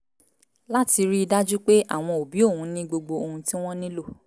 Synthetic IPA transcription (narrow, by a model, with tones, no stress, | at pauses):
la˦ti˧ɾi˦i˧da˦d͡ʒu˦k͡pe˦ʔa̰˦˨w̃ɔ̃˧o˨bi˨˦o˦˨hũ˨˧nĩ˦ɡ͡bo˧ɡ͡bo˧o˧hũ˧tĩ˦w̃ɔ̃˦nĩ˦lo˦˨